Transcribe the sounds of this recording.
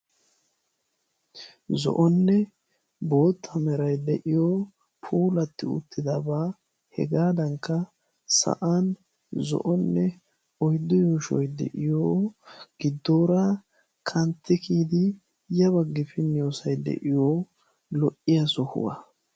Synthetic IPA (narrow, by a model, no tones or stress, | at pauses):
zɔ̰ʔɔnːɛ | bo̞ːt̪ʰːɐmɛɾɐjd̪ɛʔɪjoː | pʰuːlɐt̪ːɪʊ̰t̪ːɪd̪ɐbaː | hɛ̰ɡaːd̪ɐŋkːɐ | sɐ̰ʔan | zɔ̰ʔɔnːɛ | ɔjd̪ːʊjoːʃɔjd̪ɛ̰ʔɪjoːɡ̥ɪd̪ːoːɾa | kʰɐnt̪ːɪkʰiːd̪ɪ | jɐβɐɡːɪfɪnɪjoːsɐjd̪ɛ̰ʔɪjoː | lɔʔːɪjɐsɔhʊ̰wɐ̰